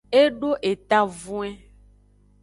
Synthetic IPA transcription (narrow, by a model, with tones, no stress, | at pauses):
e˦ɖo˦ʔe˨t̪a˨vũ˦e˦